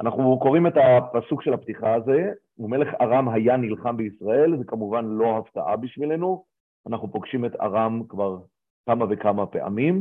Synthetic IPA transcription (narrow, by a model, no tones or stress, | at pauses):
anaχnuko̞ʁimet̪apasukʃelhapt̪iχaːze̞ | ume̞le̞χaʁamɦajanilχambeisʁae̞lze̞kamuvanlo̞havt̪a̰ʔabiʃvile̞nu | anaχnupoɡʃime̞t̪a̰ʁamkvaʁ | kamave̞kamape̞ʔa̰mim